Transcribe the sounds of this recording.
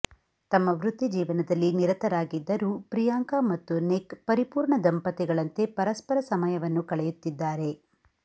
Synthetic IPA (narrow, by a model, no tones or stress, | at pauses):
t̪ɐmːɐʋɾut̪ːid͡ʒiːʋɐnɐd̪ɐlːiniɾɐt̪ɐɾaːɡid̪ːɐɾupɾijaːŋkaːmɐt̪ːunekpɐɾipuːɾɳɐd̪ɐmpɐt̪ɛɡɐɭɐnt̪e̞pɐɾɐspɐɾɐsɐmɐjɐʋɐnːukɐɭɛjut̪ːid̪ːaːɾe̞